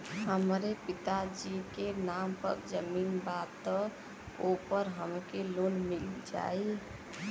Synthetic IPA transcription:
ɦəmɾepit̪ad͡ʒikenampə̰ɾd͡ʒəminbad̪t̪ːɔ | opəɾɦəmkelonmild͡ʒa̰j

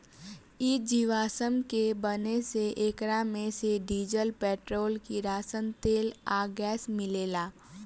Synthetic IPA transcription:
ɪd͡ʒiʋaːsəmkebəneseʔeːkɾamẽseɖiːd͡ʒəlpɛːʈɾoːlkiɾaːsənt̪eːlaːɡɛːsmɪleːlaː

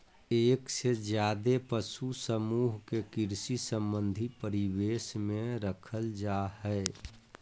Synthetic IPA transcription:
eːksed͡ʒjaːd̪epəsusəmuɦkekiɾsisə̃mbənd̪ʱipəɾiweːsmẽɾəkʰəld͡ʒahɛ

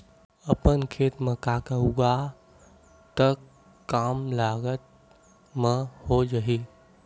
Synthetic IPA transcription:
əpənkʰeːt̪mə̃kakəuɡa | t̪əkː | aːmlaːɡət̪̚ | mə̃hod͡ʒəɦi

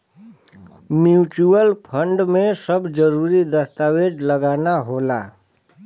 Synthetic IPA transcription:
mjuːt͡ʃuəlpʰə̃ɳɖmẽsəbd͡ʒəɾuːɾid̪əst̪aːweːd͡ʒləɡaːnaɦoːla̰ː

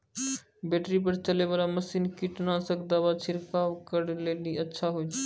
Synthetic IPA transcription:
beʈɾip̬əɾt͡ʃəlebəɾaməsinkiʈnasəkʰd̪aːʋat͡ʃʰɪɾkawkəɾleliətːʃʰaɦot͡ʃ

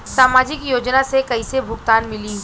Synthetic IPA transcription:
saːmaːd͡ʒɪkjoːd͡ʒnasekɐisebʱʊɡt̪aːnmɪli

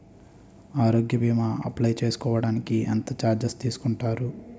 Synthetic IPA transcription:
aːɾoːɡjɐbiːmɐɐ̰plɐjt͡ʃe̞ːsu̥kɔːʋɐɽaːnikiɐ̰nt̪ɐt͡ʃaːɾd͡ʒɐst̪iːsu̥kuɳʈaːɾu

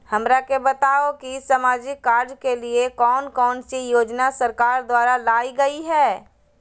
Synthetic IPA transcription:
hɐmɾakebɐt̪aːokisamaːd͡ʒɪkːaːɾd͡ʒkeliekɔːnkɔːnsijoːd͡ʒnasɐɾkaːɾd̪waːɾalaːiɡɐiɦɛː

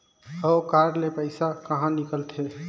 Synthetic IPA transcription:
əokaɾlepəɪsakəɦãnikəlt̪ʰe

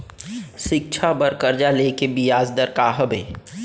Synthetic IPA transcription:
ʃɪk̚t͡ʃʰabəɾkəɾd͡ʒaleːkebɪjaːzd̪əɾkaːɦəbeː

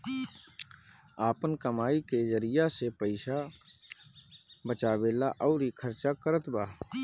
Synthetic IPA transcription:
aːpənkəmaːikezəɾijasepəɪʃa | bət͡ʃaːbeːlaʔɔʊɾikʰəɾt͡ʃakəɾət̪baː

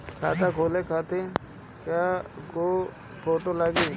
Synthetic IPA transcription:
kʰa̰ːt̪akʰoːlekʰaːt̪e | kjaːkoː | pʰoːʈolaːɡiː

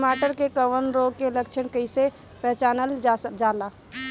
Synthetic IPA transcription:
maːʈəɾkekəʋənɾoɡ̚keləkt͡ʃʰəɳkəɪse | pɛɦt͡ʃaːnəld͡ʒala

